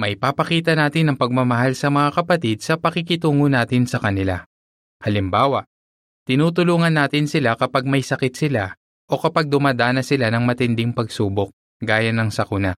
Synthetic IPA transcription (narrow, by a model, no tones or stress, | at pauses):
mɐʔjpapɐkiːt̪ɐnaːt̪ɪnːɐŋpɐɡ̚mɐmɐɦalsɐmɐŋakɐpɐt̪ɪd̪̚sɐpɐkɪkɪt̪uːŋonaːt̪ɪnsɐkɐnɪla | hɐlɪmbaːwɐʔ | t̪ɪnuːt̪̬ʊluːŋɐnːaːt̪ɪnsɪlakɐpaɡ̚mɐjsɐkɪt̪sɪla | ʔo̞kɐpaɡ̚d̪ʊmaːd̪aːnɐsɪlanɐŋmɐt̪ɪnd̪ɪŋpɐɡsuːbok̚ | ɡaːjɐnːɐŋsɐkʊna